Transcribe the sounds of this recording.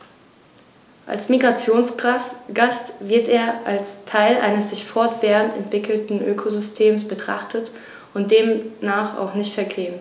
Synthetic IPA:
ʔa̰lsmiɡʁat͡sjoːnsɡ̥astv̥ɪɐteːɐʔalstʰaɪlʔa̰ɪnəsz̥ɪçfɔɐtv̥eːʁəntɛ̰ntv̥ɪkl̩tn̩ʔøːkʰozʏstʰeːmsb̥ətʁ̥a̰χtʰət | ʊnt̚d̥eːmːaːχa̰ʊχnɪçtfɛɐkʰeːəm

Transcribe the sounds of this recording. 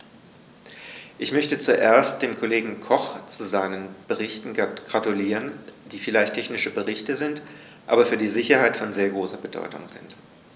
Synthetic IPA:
ʔɪçmœçtət͡suʔeːɐst̚d̥eːmkʰoleːɡŋ̩kʰɔχt͡suzaɪnənb̥əʁɪçtn̩ɡ̥ʁatuliːʁ̞ənd̥iːfɪlaɪçtʰɛçnɪʃəbəʁɪçtəzɪnt | ʔa̰ːbɐfyːɐdiːzɪçɐhaɪtfɔnzeːɐɡʁoːsɐbədɔ̰ʏtʊ̰ŋzɪ̰nt

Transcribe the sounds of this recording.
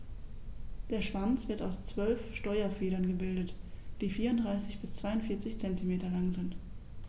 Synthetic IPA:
d̥eːɐʃv̥ant͡sv̥ɪɐtaʊst͡sv̥œlfʃtɔʏɐfeːɾɐnɡəbɪldətd̥iːfiːɐʊntd̥ʁaɪsɪçb̥ɪst͡sv̥aɪʊntfɪːɐt͡sɪçt͡sɛntimeːtɐlaŋzɪnt

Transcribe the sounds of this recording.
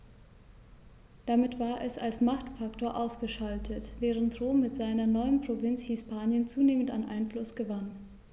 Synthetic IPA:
d̥amɪtv̥aːɐʔɛsalsmaχtfaktoːɐʔaʊsɡ̥əʃaltʰətv̥ɛːʁ̞əntʁoːmːɪtz̥aɪnɐnɔʏənpʁ̥ovɪnt͡shispaːnjənt͡suːneːmənta̰nʔa̰ɪnflʊsɡ̥əvan

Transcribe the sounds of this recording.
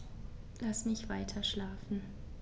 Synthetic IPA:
lasmɪçtv̥aɪtʰɐʃlaːfn̩

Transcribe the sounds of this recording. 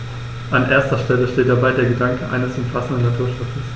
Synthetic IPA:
ʔanʔeːɐstɐʃtɛləʃteːt̚d̥abaɪdeːɐɡədaŋkʰəʔa̰ɪnəsʔʊmfasn̩dənːatʰuːɐʃʊt͡səs

